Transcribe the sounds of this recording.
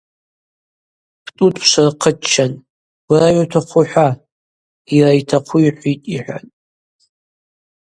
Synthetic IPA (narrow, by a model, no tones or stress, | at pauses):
pʰtʼutʼʰʃʷarqʰət͡ʃʰːan | ɡ̥raɥatʰaχʷʊħʷa | irajtʰaqʷʰuiħʷitʼiħʷᶣa̰n